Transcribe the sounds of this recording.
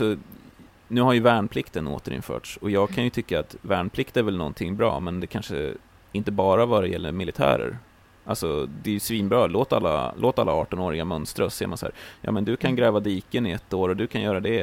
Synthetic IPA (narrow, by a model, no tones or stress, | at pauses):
sɔ | nʉ̟ːɦaɾjɵvæːɳpʰlɪkt̪əno̰ːt̪əɾɪ̰nfœ̰ːʈʂɔjɑːɡ̚kʰanjɵt̪ʰʏkːaat̪væːɳpʰlɪkt̪æɾvɛlnɔ̰nt̪ʰɪŋːbɾɑ̰ːmɛnd̪ɛkʰanʂə̰ | ɪnt̪əbɑːɾavad̪ɛjɛlːə̰ɾmɪlɪt̪ʰæ̰ːɾə̰ɾ | ʔa̰lsɔd̪ɛːjɵsviːnbɾɑːloːt̪a̰lːa̰loːt̪a̰lːaɑːʈɔnoːɾɪɡamœnst̪ɾasḛːmansaæ̰ːɾjɑ̰ːmɛnd̪ɵkʰanɡɾɛːvad̪iːkənɪɛt̪ːoːɾɔd̪ɵkʰanjœːɾad̪ɛ